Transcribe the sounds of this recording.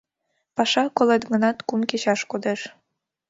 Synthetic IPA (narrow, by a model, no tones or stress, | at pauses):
pɑʃɑkoled̪ɣə̆nɑt̪kumket͡ɕɑʃkod̪eʃ